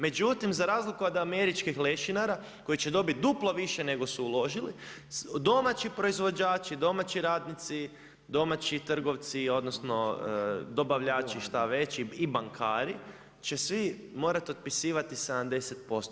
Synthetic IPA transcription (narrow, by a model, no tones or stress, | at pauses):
me̞d͡ʒut̪imzaɾaːzlikuod̪ame̞ɾit͡ʃkixle̞ʃinaɾa | ko̞it͡ʃe̞d̪o̞bit̪̚d̪uplˠo̞ʋiʃene̞ɡo̞suulˠo̞ʒilḭ | d̪o̞mat͡ʃipɾo̞izʋo̞d͡ʒaːt͡ʃid̪o̞mat͡ɕiɾaːd̪nit̪si | d̪o̞mat͡ʃit̪r̩ɡo̞ʋt̪sio̞d̪no̞sno̞əd̪o̞baʋʎaːt͡ʃiʃt̪aʋe̞t͡ʃiibaŋkʰaːɾi | t͡ʃe̞sʋi | mo̞ːɾat̪od̪̚pisiːʋat̪ise̞d̪amd̪e̞set̪̚po̞st̪